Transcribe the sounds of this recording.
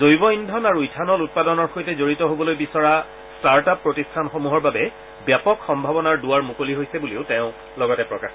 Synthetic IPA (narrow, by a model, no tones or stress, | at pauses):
zojbɔindʱɔnaɹuitʰanɔlut̚padɔnɔɹxojtɛzoɹitɔɦobɔlojbisɔɹa | staɹtapːɹotistʰanxomuɦɔɹbabɛ | bjapɔkxɔmbʱabɔnaɹduwaɹmukoliɦojsɛbuleʊtɛ̃ʊ̃ | lɔɡɔtɛpɹɔkax